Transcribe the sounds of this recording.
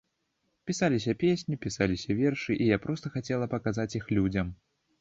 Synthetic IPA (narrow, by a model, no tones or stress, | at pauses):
pʲisalʲisʲɐpʲesʲnʲipʲisalʲisʲɐvʲɛrʂɨʔijapɾɔst̪ɐxat͡sʲɛlˠɐpɐkazat͡sʲjixlʲud͡zʲɐm